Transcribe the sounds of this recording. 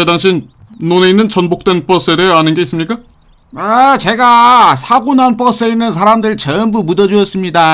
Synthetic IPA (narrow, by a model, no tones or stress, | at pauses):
edaŋɕ̬ʰin | nːone̞inːɯnt͡ɕʌnbok̚t͈wenp͈ʌs͈ʰeɾeanɯnɡe̞is͈ɯmɲik͈a | at͡ɕe̞ɡasʰaɡunanp͈ʌs͈e̞inːɯns̬ʰaɾamdɯɭt͡ɕʌnbumudʌd͡ʑuʌs͈ɯmɲida